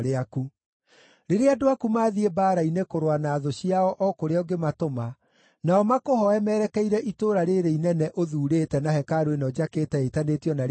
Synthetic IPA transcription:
ɾeaku | ɾeɾeadoakumaːðiebaːɾainekoɾwanaːðoɕiaɔʔɔkoɾeɔɡematoma | naɔmakohɔɛmɛːɾɛkɛiɾɛʔitoːɾaɾeɾeinɛnɛʔoðuːɾetɛnahɛkaɾwenɔd͡ʑaketɛetanetiɔnaɾ

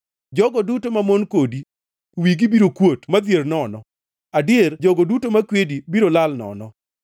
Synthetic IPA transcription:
d͡ʒɔɡɔdutomamonkodi | wiɡibiɾokwotmad̪jernɔnɔ | adɪerd͡ʒɔɡɔdutomakwedibiɾolalnɔ̰nɔ

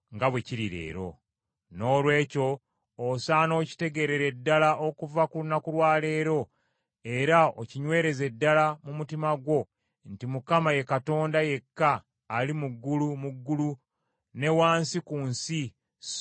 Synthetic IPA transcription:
ŋɡaβwe̞ciɾiɾe̞̰ːɾo̞̰ | no̞ːlwe̞ːco̞ː | saːno̞ːci̥te̞ɡe̞ɾe̞ɾe̞dːalaʔokuvakulunakulwaːle̞ːɾo̞ | e̞ɾao̰ciɲwe̞ːɾe̞ze̞dːalamumutimaɡwo̞ | ntimukamaje̞kato̞ːndaje̞kːaː | limuɡːulumuɡːulu | ne̞waːnsikuːnsi

